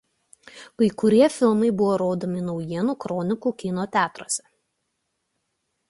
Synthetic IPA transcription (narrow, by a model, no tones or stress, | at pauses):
kɐɪkʊɾʲiɛfʲɪlˠmɐɪbʊʋoːɾoːd̪omʲɪnɔʊjiɛnuːkɾɔnʲɪkuːkʲɪnoːt̪ʲæːt̪ɾoːsʲɛ